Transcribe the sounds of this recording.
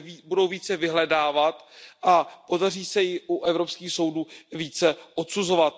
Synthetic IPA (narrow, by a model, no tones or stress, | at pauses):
budo̞wviːt͡sɛvɪɦlɛdaːvat̪ʔapo̞dariːsɛjɪʔuʔɛvɾo̞pskiːxso̞wduːviːt͡sɛʔot̪suzo̞vat̪̚